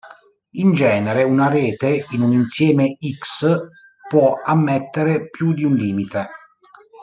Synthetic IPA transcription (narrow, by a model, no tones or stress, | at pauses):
ind͡ʒɛːneɾeunaɾɛːt̪einuninsjɛːmeiks | pwɔamːɛt̪ːeɾepjud̪iunliːmit̪e